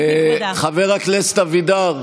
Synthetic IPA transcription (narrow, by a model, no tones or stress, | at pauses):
χaveʁaklest̪avid̪aʁ